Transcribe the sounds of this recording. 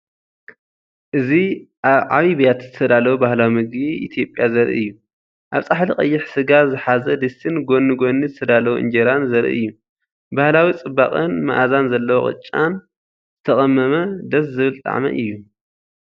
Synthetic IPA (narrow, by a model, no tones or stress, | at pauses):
ʔɨziʔaβʕa̰βibijat̪z̥ɨt̪ʰɐd̪alɐwubahlawimɨɡbiʔḭt̪ʰijo̞pʼjazɐɾʔḭɨjːu | ʔaβt͡sʼaħliqʼɐ̰jːɪħsɨɡazɨħazɐd̪ɨsʰɨnɡo̞nːɨɡo̞nːizɨt̪ʰɐd̪alɐwuʔɨ̰nd͡ʒeɾanzɐɾʔḭɨ̰jːu | bahlawit͡sʼɨbːaχʼɨnma̰ʔazanzɐlːɐwo̰χʼɨ̰t͡ʃʼːa̰n | zzɨt̪ʰɐkʼɐmːɐmɐd̪ɐszɨβɨlt̪ʼa̰ʕmɐ̰ʔɨjːu